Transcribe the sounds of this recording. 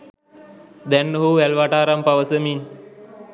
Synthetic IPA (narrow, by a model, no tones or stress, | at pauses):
d̪ɛnːəɦuːʋɛlʋaʈaːɾampaʋəsəmin